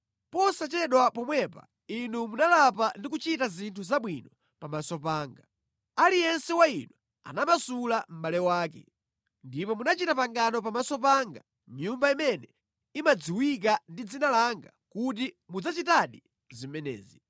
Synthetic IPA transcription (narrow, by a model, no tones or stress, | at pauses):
pɔsat͡ʃɛɗwapɔmwɛpa̰ | inumunalapandik̬ut͡ʃitazintʰuzaɓwinɔ | pamasɔpaːŋɡa | alijɛnsɛwainwɛ | a̰namasulam̩ɓalɛwaːkɛ̰ | ndipɔmunat͡ʃitapaŋɡanɔp̬amasɔpaːŋɡa | mɲumbaimɛnɛ | imad͡ziwik̬andid͡zinalaŋɡakut̬i | mud͡zat͡ʃitaɗi | zimɛnɛ̰ːzi